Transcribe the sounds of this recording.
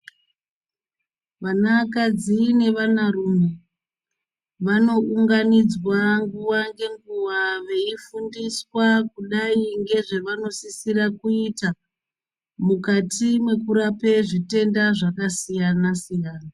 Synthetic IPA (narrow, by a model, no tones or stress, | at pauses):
ʋanakad͡zine̞ʋanarume | ʋano̞uŋɡanid͡zwaŋɡuwaŋɡe̞ŋɡuwaʋe̞ifundiswakuɗaiŋɡe̞ʐe̞ʋano̞sisirakuita | mukatimwe̞kuɾape̞ʐite̞ndaʐakasijanasijaːna